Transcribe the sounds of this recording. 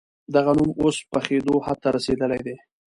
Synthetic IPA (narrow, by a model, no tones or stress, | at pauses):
d̪aɣanumospəxed̪ohat̪aɾased̪əlajd̪e